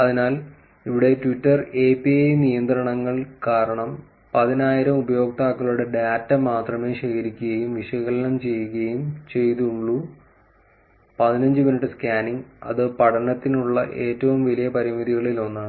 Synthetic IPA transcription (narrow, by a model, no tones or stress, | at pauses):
ɐðinaːl | iʋiɽe̞tʋitːɐre̞ːpiejnijɐnd̪rɐɳɐŋːɐɭkaːɾɐɳɐm | pɐðinaːjiɾɐmubɐjo̞ːkt̪aːkːɐɭuɽe̞ɖaːtːɐmaːt̪rɐme̞ːɕeɣɐɾikʲːuɣɐjumʋiʂɐɣɐlɐnɐmt͡ɕe̞jːuɣɐɐjumt͡ɕe̞jt̪uɭːu | pɐðinɐɲd͡ʑɨminiʈːɨskaːniŋɐ̰ðɨpɐʈʰɐnɐt̪ːinuɭːɐ̰ʔe̞ːtːɐʋumʋɐlijɐpɐɾimiðiɣɐɭilo̞nːaːɳɨ